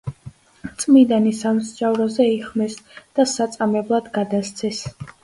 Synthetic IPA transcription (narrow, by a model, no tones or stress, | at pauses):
t̪sʼmid̪anisamsd͡ʒʼavɾɔzɛiχmɛsd̪̥asat̪sʼamɛblˠad̪ɡad̪ast̪sʰɛs